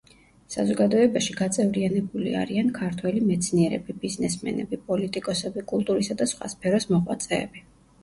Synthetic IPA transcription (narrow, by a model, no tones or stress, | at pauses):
sazɔɡad̪ɔɛbaʃiɡat̪sʼɛvlianɛbulia̰ɾiankʰaɾt̪ʰwɛlimɛt̪sʰniɛɾɛ̰bibiznɛsmɛ̰nɛ̰bipʼɔlit̪ʼikʼɔsɛbikʼulˠt̪ʼuɾisad̪asχwa̰spʰɛɾɔsmɔʁwa̰t̪sʼɛːbi